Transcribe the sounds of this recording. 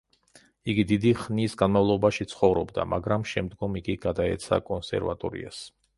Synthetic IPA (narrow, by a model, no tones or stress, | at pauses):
iɡid̪id̪iχnisɡanmavlˠɔbaʃit̪sʰχɔvɾɔbd̪a̰maɡɾamʃɛmd̪ɡɔmiɡiɡ̥ad̪aɛ̰t̪sʰa̰kʼɔnsɛ̰ɾva̰t̪ʼɔɾḭa̰s